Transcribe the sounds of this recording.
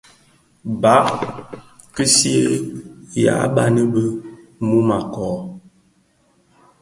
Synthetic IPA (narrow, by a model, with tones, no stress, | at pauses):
ba˨˦ʔ | kə˦si˦ə˦ja̰˨˦ba˦nə˦bə˦mu˦ma˨kɔ˨